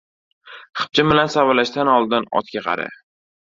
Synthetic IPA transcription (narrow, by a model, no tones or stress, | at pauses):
χɨ̥p̚t͡ʃʰɪbɪlansavalaʃt̪anɒlˠd̪ɪnɒ̰t̪kʲaqʰɑ̰ɾa̰